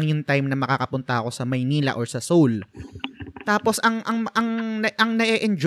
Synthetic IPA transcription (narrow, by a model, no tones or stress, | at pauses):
ŋjʊŋt̪ajmnɐmɐkaːkɐpʊnt̪ɐʔɐko̞sɐmɐjniːlɐ̰ʔoɹsɐsowl | t̪aːpo̞sʔɐŋʔɐŋɐŋnɐʔɐŋnɐʔɛʔɛnd͡ʒ